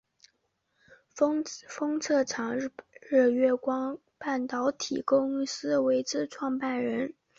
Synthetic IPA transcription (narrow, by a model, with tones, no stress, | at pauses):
fɤ˥ŋt͡sʰɤ˥˩ʈ͡ʂʰɑ˧˥ŋɻɻ̩˥˩ɥɛ˥˩kwɑ˥ŋ | pa˥˩nt̪ɑ˧˥ʊt̪ʰḭ˨˩ko˥ʊy˥˩sɹ̩˥we˧˥ɪt͡sɻ̩˥˧ʈ͡ʂʰwɑ˥˧ŋpa˥˩nɻə˧˥n